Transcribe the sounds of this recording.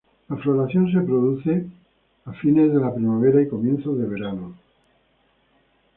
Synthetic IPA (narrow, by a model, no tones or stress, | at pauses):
lafloɾaθjõ̞ns̬e̞pɾoðuθe̞ | afine̞zðe̞lapɾimaβ̞eɾaiko̞mjẽ̞nθozðeβ̞e̞ɾano